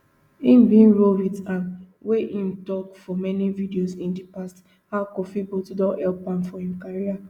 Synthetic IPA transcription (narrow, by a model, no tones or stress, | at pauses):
ĩm̩bĩnɹovitãn | weʔim̩tɔkfɔmɛnividiosĩndipast | hakɔfibotdɔ̃nhɛlpãmfɔhĩmkaɹia